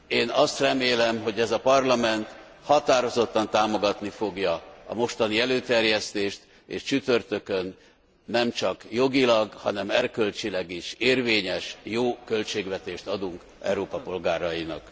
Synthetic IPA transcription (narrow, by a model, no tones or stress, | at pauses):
eːnɒst̪rɛmeːlɛmɦo̞ɟɛzɒpɒrlɒmɛnt̪ | hɒt̪aːɾo̞zo̞t̪ːɒnt̪aːmo̞ɡɒt̪nifo̞ɡjɒɒ̰mo̞ʃt̪ɒniɛløːt̪ɛrjɛst̪eːʃt̪ | ḛːʃt͡ʃyt̪ø̞rt̪ø̞kønː | ɛmt͡ʃɒkjo̞ɡilɒɡhɒ̰nɛmɛrkølt͡ʃilɛɡiʃeːrveːɲɛʃjoːkø̞lt͡ʃeːɡʋɛt̪eːʃt̪ɒd̪uŋk | ɛ̰uɾoːpɒpo̞lɡaːɾɒjinɒ̰k